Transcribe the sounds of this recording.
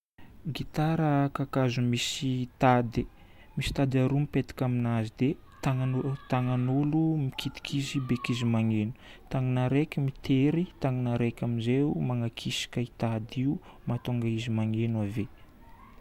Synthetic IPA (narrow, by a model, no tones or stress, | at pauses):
ɡit̪aɾəkakazumisit̪ad̪e | misi̥t̪ad̪aɾumipet̪i̥kʲaminazid̪e | t̪aŋat̪aŋanulumikʰit̪i̥kʰizibekizimaŋenu̥t̪aŋinaɾekʲimit̪eɾit̪aŋinaɾekʲamizeumaŋakʰisi̥kait̪ad̪iu | mat̪uŋɡaizimaŋenwave